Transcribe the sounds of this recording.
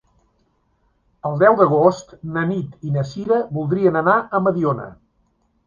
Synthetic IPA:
əlˠd̪ɛwd̪əɣ̞ost̪nənit̪inəsiɾəβulˠd̪ɾiənənaʔəməðionə̰

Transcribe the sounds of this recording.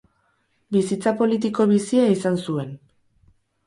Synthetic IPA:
bisit͡sapo̞lit̪̬iko̞β̞isiaisansue̞n

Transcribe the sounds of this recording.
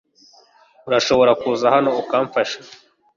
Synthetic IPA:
uɾaʃo̞βo̞ɾakuːzahano̞ukaːɱfaʃḁ

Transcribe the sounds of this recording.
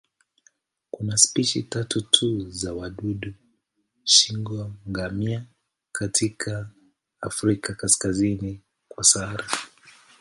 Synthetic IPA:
kunaspiʃḭtatutʰuzawaɗuɗu | ʃiŋɡwaŋɡamia | katʰikʰaː | fɾikakaskazini | kwasaɾa

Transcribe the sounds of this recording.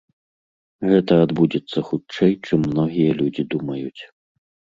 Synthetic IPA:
ɣɛt̪ɐad̪bud͡zʲɛt̪sːɐxut͡ʂɛjt͡ʂɨmːnɔɣʲijɐlʲud͡zʲid̪umɐjut͡sʲ

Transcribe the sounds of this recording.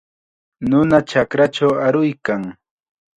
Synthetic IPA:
nʊnat͡ʃakɾat͡ʃawaɾʊjkaŋ

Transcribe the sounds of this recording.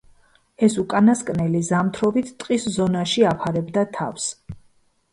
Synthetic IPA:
ɛsukʼanaskʼnɛlizamt̪ʰɾɔbit̪ʰt̪ʼqʼiszɔnaʃiapʰaɾɛbd̪at̪ʰa̰fs

